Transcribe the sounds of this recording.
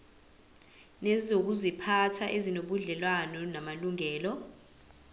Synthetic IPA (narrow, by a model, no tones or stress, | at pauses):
nɛzizok̬uzipʰatʰaʔezinoɓuɮɛlwanɔnamaluŋɛːlɔ